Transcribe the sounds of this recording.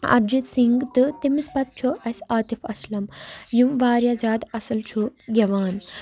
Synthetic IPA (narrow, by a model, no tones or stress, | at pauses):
ɐ̰ɾd͡ʒit̪siŋɡt̪ɨt̪imispɐt̪̚t͡ʃʰoʔɐsʲaːt̪ifɐslɐmjumʋaːɾjazʲaːd̪ɐsɐlt͡ʃʰuɡʲɐʋaːn